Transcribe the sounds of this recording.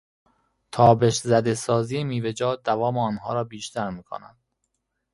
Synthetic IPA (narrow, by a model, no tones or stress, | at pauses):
t̪ʰɒːbe̞ʃzæd̪esɒːziːjemiːved͡ʒɒːd̪ævɒːmeɒːnɦɒ̰ːɾɒːbiːʃt̪ʰæɾmiːkʰo̰næ̰nd̪̥